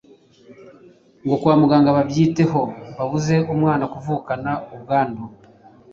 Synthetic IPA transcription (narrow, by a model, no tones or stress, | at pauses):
ŋɡo̞kwaːmuɡaːŋɡaβaβjiːte̞ho̞βaβuze̞omwaːnakuvuːkanaoβɡaːndo